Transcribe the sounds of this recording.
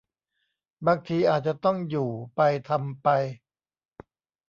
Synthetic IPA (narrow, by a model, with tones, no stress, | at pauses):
baː˧ŋt̪ʰiː˧ʔaː˨˩t̪̚t͡ɕa˨˩t̪ɔ˥˩ŋjuː˨˩pa˧jt̪ʰa˧mpa˧j